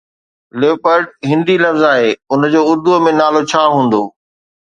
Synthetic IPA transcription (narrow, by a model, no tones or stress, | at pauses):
leːpəɾɖɦɪ̃nd̪ilɐfzaːɦeːʊnd͡ʑoːʊɾd̪umẽnaːlot͡ɕʰaːɦũːn̆d̪oː